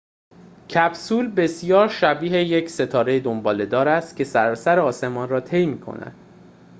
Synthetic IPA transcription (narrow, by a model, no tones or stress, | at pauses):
cʰæbsuːlbe̞sijɒːɾʃæbiːɦejecʰse̞t̪ʰɒːɾe̞jed̪ombɒːle̞d̪ɒːɾæst̪cʰʲe̞sæɾɒːsæɾeɒːse̞mɒːnrɒːt̪ʰe̞jmiːkʰo̞̰næ̰d̪̥